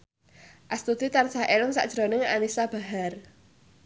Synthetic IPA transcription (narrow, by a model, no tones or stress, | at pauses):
ʔast̪ud̪̥it̪ansaɦʔelʊŋsa̰ʔd̥ʒ̥ɾonɪŋa̰nisab̥a̤ɦar